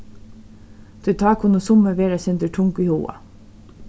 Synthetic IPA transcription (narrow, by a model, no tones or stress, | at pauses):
d̪̥ʰʉt̪ʰɑːkʰʊnʊsʊməʋeːɾasɛnd̪əʈʰʊŋkiːhṵːɑ̰